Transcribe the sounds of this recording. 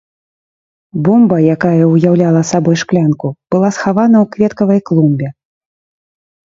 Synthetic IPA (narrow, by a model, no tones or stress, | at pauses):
bɔmbɐjakajɐujawlʲalˠɐsabɔjʂklʲankub̥ɨlˠasxavanɐwkvʲɛt̪kɐvɐjklˠumbʲɛ